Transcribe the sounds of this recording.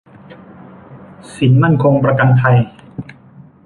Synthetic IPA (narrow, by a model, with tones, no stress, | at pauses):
si˩˦nma˥˩nkʰo˧ŋpɾa˧ka˧nt̪ʰa˧j